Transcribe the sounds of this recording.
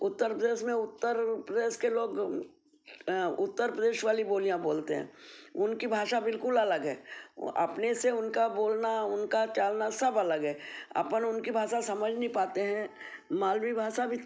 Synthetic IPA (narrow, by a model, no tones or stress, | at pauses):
ʊt̪ːəɾpɾəd̪eːʃmẽʊt̪ːəɾpɾəd̪eːʃkeloːɡ | ʊt̪ːəɾpɾəd̪eːʃʋaːliboːlijãboːlt̪eɦɛ̰̃ːʊnkibʱaːʃabɪlkʊlɐləɡɦɛ̰ːɐ̰pneseʊnkaboːlnaʊnkat͡ʃaːlnasɐbɐləɡɦɛ̃ːɐ̰pənʊnkibʱaːʃasɐməd͡ʒʱnəɦĩpaːt̪eɦɛ̃ | maːlwibʱaːʃabʱi